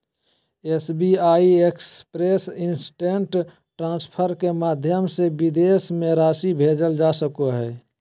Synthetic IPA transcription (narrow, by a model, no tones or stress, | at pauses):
esbiaːiekspɾeːsɪnsʈẽɳʈ | ʈɾãːspʰəɾkemaːd̪ʱjəmsebid̪esmẽɾaːʃibʱeːd͡ʒəld͡ʒaːsəkoɦɛː